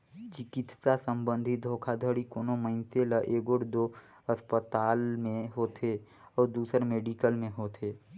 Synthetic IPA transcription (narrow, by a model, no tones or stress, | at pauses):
t͡ʃɪkɪt̪sasə̃mbə̃nd̪ʱid̪ʱoːkʰad̪ʱəɽikoːnoməɪnseləʔeːɡoʈd̪o | əspət̪aːlmẽɦoːt̪ʰe | ɔːɾd̪uːsəɾmeːɖikəlmẽɦoːt̪ʰeː